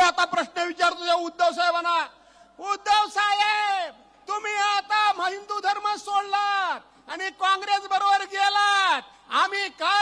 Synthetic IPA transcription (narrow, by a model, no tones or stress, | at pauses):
at̪apɾəɕnəʋit͡ɕaɾt̪ojaud̪ʱːeʋsajbana | ud̪eʋsaje | t̪um̤iːat̪am̤əɦind̪ud̪ʱəɾməsoɽlat̪ | anikãŋɡɾesbəɾobəɾɡɛlat̪ | am̤iːka